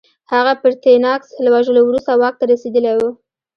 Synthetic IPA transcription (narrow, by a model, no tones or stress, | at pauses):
haɣapəɾt̪enɑkslwaʒəlowɾust̪awɑk̚t̪aɾased̪əlajwu